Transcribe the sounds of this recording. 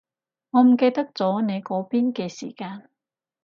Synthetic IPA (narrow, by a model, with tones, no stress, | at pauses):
ŋɔː˨˧m̩˨˩ke˧jt̪ɐ˥k̚t͡sɔː˨˥ne˨˧jkɔː˨˥piː˥nkɛː˧sḭː˨˩kaː˧n